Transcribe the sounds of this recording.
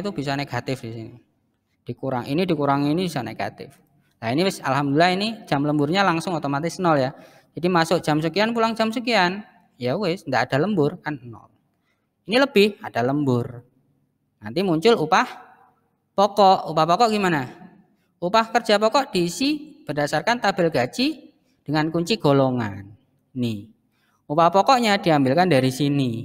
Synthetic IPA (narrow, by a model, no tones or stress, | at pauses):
t̪ub̥is̬ɔneɡ̥at̪ɪfdisini | d̥ikuɾa̰ŋʔḭnidikuɾaŋinib̥isɔneɡ̥a̰t̪ɪ̰f | lainiwɪsa̰lhamd̪lilaɦini̥ʒ̥a̤mləmbʊrɲalaŋsʊŋot̪omat̪ɪsnɔlja | d͡ʒ̥adimasʊʔ̚d̥ʒ̥a̤msukianpulaŋd͡ʒ̥amsukian | jawɪsndaʔad̥a̤ləmbʊrkannɔ̰l | iniləb̥ɪhad̥a̤ləmbʊr | na̰nt̪imuɲt͡ʃʊlupah | pɔkɔʔupahpɔkɔʔɡ̥imana | upahkərdd͡ʒ̥a̤pɔkɔʔd̥iːsib̥ərdasarkant̪ab̥ɪlɡ̥a̤t͡ʃi | d̥əŋankuɲt͡ʃiɡ̥o̤loŋa̰nː | i | upahpɔkɔʔɲad̥iambɪlkandaɾisini